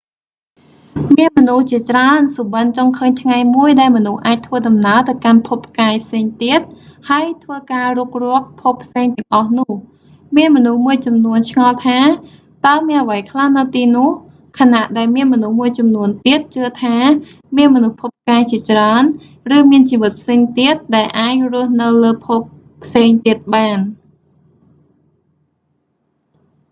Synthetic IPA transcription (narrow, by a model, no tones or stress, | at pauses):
miənmɔnuht͡ɕiət͡ɕraənsuːɓənt͡ɕoŋkʰəːɲt̪ʰŋajmuəjɗaɛlmɔnuhʔaːc̚t̪ʰʋəːɗɑmnaət̪ɨwkanpʰupʰːkaːɛjpʰseːŋt̪iət̪̚haəjt̪ʰʋəːkaːruk̚rŭəp̚pʰupʰːseːŋt̪ɛ̆əŋʔɑhnʊ̆əh | miənmɔnuhmuəjt͡ɕɑmnuənt͡ɕʰŋɑlt̪ʰaː | t̪aəmiənʔəʋəjkʰlahnɨwt̪iːnʊ̆əh | kʰanaʔɗaɛlmiənmɔnuhmuəjt͡ɕɑmnuənt̪iət̪̚t͡ɕɨət̪ʰaː | miənmɔnuhpʰop̚ːkaːjt͡ɕiət͡ɕraən | rɨːmiənt͡ɕiːʋɨt̪̚pʰseːŋt̪iət̪̚ɗaɛlʔaːc̚rʊ̆əhnɨwləːpʰop | pʰːseːŋt̪iət̪̚ɓaːn